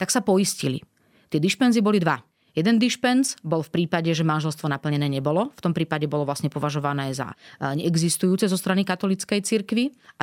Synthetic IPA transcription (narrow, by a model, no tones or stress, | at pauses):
t̪aksapɔjiscilḭ | t̪ɪɛd̪iʃpɛnzibɔlid̪ʋa | jɛd̪ɛnd̪iʃpɛnzbɔlfpɾiːpaɟɛʒɛmanʒɛlst̪ʋɔnapl̩ɲɛnɛːɲɛbɔlɔft̪ɔmpɾiːpaɟɛbɔlɔʋlasɲɛpɔʋaʒɔʋanɛːza̰ɲɛɛɡzist̪ujuːt͡sɛzɔst̪ɾanikat̪ɔlit͡skɛjt͡siɾkʋia